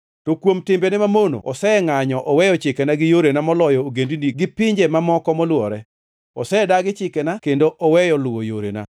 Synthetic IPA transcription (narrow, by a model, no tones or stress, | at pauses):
tokwomtɪmbɛnɛmamono̰ʔɔsɛŋaɲɔʔɔwɛjɔt͡ʃɪkɛnaɡɪjoɾenamɔlɔjɔoɡendiniɡɪpɪɲd͡ʒemamɔkɔmɔlwɔɾɛ | ɔ̰sɛdaɡɪt͡ʃɪkɛnakendoʔɔwɛjɔlʊwojoɾḛna̰